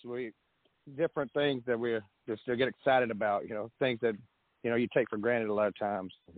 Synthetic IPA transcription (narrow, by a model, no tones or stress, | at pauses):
swi | dɪfɹɨ̃nθɪ̃ŋzðɨt̚wiɹ̥ | d͡ʒʌsd̥ɨɡɛɾɨksaɪɾɨɾɨbaʊt̚jʔɨnoʊθɪ̃ŋzðɨt̚ | jɨñoʊjɨtʰeɪkfə˞ɡɹæ̃ɾ̃ɨɾəlɑɾəv̥tʰãɪ̃mz̥